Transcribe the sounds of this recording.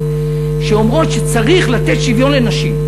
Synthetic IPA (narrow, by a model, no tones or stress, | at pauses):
ʃeomʁo̞t̪ʃet͡saʁiχlat̪e̞t̪ʃivjo̞nle̞naʃim